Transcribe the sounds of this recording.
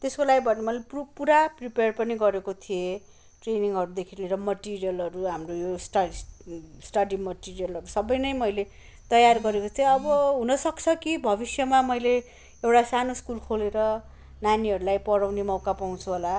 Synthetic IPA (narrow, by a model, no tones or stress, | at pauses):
t̪eskolaɡibʱʌnemʌleppuɾapripeʌrpʌniɡʌɾekot̪ʰije | ʈreniŋɦʌɾud̪ekʰileɾʌmʌʈirijʌlɦʌɾuɦamrojosʈʌ | sʈʌɽimʌʈirijʌlɦʌɾusʌbʌjnʌjmʌjle | t̪ʌjarɡʌɾekot͡saj̃ʌbʌɦunʌsʌkt͡sʰʌkibʱʌbisjʌmamʌjle | ewʈasanoskulkʰoleɾʌ | naniɦʌɾulajpʌɽawnemʌwkapaw̃t͡sʰuɦola